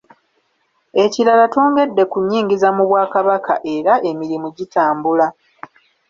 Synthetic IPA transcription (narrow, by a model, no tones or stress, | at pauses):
e̞ciɾalatoːŋɡe̞dːe̞kuɲːiːŋɡizamuβwaːkaβaka̰ʔe̞ɾaʔe̞miɾimuɟitaːmbula